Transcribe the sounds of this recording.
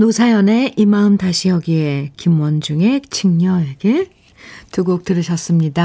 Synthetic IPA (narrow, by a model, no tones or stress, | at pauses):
nosʰajʌne̞ʔimaɯmtaɕʰijʌɡiekimwʌnd͡ʑuŋe̞t͡ɕʰiŋɲʌeɡe | tuɡok̚tɯɾɯɕʰʌs͈ɯmɲida